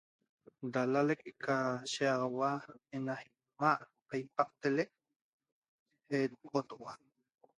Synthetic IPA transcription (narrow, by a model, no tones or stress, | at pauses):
d̪alalekekaʃeɑʁwaenahi | maʔpajpaq̚t̪elek̚ | et̪qot̪ʔwa